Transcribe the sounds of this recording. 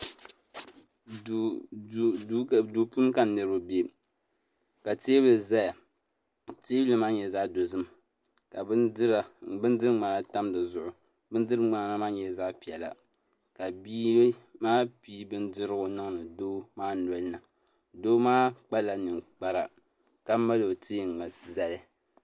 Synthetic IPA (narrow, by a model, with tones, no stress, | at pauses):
du˨pu˦n˦ka˨nɨ˨ɾo˦bi˦e˦ | ka˨teː˦bɨ˨za˦ja˨ | teː˦lɨ˦maː˦ɲɛ˨za˦ʔdo˨zɨ˦m | ka˨bɨ˦ndɨ˦ɾa˨bɨ˦n˦dɨ˦ɾŋ͡ma˨na˦ta˦mdɨ˨zʊ˦˨ʔʊ˨ | bɨ˦n˦dɨ˦ɾɨ˦ŋ͡ma˨˦na˦maː˦ɲɛ˨za˦ʔpi˨ɛ˨la̰˨ | ka˨biː˦maː˦pi˦bɨ˦ndɨ˦ɾɨ˦ɡʊ˨nɨ˦ŋ˦nɨ˨doː˦maː˦nɔ˨lɨ˦na˨ | doː˦maː˦k͡pa˦la˨nɨ˨ŋk͡pa˦ɾa˨ | ka˦ma˦lo˨teː˦˨ŋ˨a˨za˨lɨ˦